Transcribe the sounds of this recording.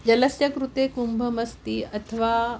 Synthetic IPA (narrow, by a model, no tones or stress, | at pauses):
d͡ʑɐləsjɐkɾut̪ekumbʱəmɐst̪iːɐt̪ʰəʋa